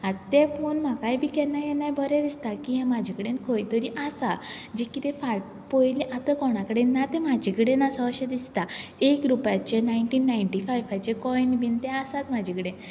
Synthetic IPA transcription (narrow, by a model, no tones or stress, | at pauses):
at̪t̪ɛpunm̤akajbikɛnajɛnajbʱɔɾɛd̪ist̪akiɦɛ̃mad͡ʑʱikəɽẽnkʰojt̪əɾiʔasad͡ʑekit̪ẽfaʈ̚ | pojliʔat̪əkɔɽ̃akəɽenːat̪ɛ̃mad͡ʑʱikəɽenasaəɕed̪ist̪aekɾupjat͡ɕenajɳʈiːnːajɳʈifajfajt͡ɕekɔjɳbint̪ɛ̃asat̪mad͡ʑʱikəɽẽ